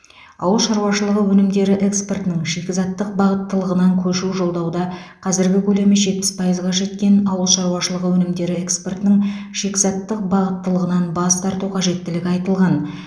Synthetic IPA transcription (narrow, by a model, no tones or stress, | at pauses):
ɑ̰wəlˠʃɑɾuwɑʃəlˠəʁəwɵnɪmd̪e̞ɾɪʔe̞kspe̞rt̪ɪnɪŋʃekʲɪzɑt̪ːəq̚bɑʁət̪ːəlˠəʁənɑŋkʲʰɵʃuʒo̞lˠd̪ɑwd̪ɑqʰɑzɪɾɡʲɪkʲʰɵle̞mɪʒe̞t̪̚pːɪ̥spʰɑjəzʁɑʒe̞t̪kʲe̞nɑwəlˠʃɑɾuwɑʃəlˠəʁəwɵnɪmd̪e̞ɾɪe̞kspe̞rt̪ɪnɪŋʃe̞kʲzɑt̪ːəq̚bɑʁət̪ːəlˠəʁənɑnbɑst̪ɑɾt̪uqʰɑʒe̞t̪ːɪlɪɡʲɪɑjt̪əlˠʁɑn